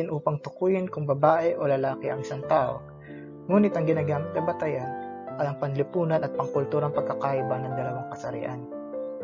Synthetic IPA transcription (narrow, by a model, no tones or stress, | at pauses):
ɪnʔuːpɐŋt̪ʊkuːjɪnkʊŋbɐbaːʔɛʔo̞lɐlaːkɪʔɐŋɪsant̪aːʔo̰ | ŋuːnɪt̪ɐŋɡɪnaːɡaːmɪt̪̚k̪ɐbɐt̪ɐjaʔɐjɐŋpɐnlɪpuːnɐnʔɐt̪̚pɐŋkʊlt̪uːɾɐŋpɐɡ̚kːɐkaʔɪbanɐŋd̪ɐlɐwaŋkɐsɐɾɪ̰ʔa̰n